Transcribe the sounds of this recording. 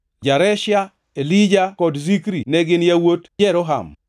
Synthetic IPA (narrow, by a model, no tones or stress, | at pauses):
d͡ʒaɾɛʃja | elid͡ʒakɔdzikɾinɛɡɪnjawotd͡ʒɛɾɔɦa̰m